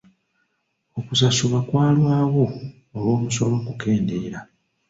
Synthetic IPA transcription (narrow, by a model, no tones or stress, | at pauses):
okusasuβakwaːlwaːɣo̞ː | lwo̞ːmuso̞lo̞kuke̞ːndeiɾa